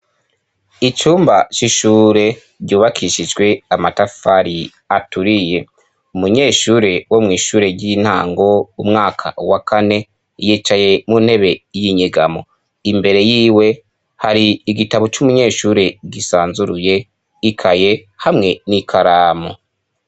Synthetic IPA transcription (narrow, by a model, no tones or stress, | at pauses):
it͡ʃuːmbat͡ʃiʃuːɾe̞ | ɾɟuːβakʰiʃid͡ʒɡwe̞amatafaɾi | atuɾije̞ | umuɲe̞ːʃuːɾe̞womŋiːʃuːɾe̞ɾɟin̥haːŋɡo̞umŋaːkʰa̰wakʰane̞ | jiːt͡ʃaje̞munhe̞βe̞jiɲeɡamo̞̰ | imbe̞ɾe̞jiːwe̞ | haɾiːɡitaβot͡ʃumuɲe̞ːʃuːɾe̞ɡisaːnzuɾuje̞ | ikʰaje̞hamŋe̞nikʰaɾaːmo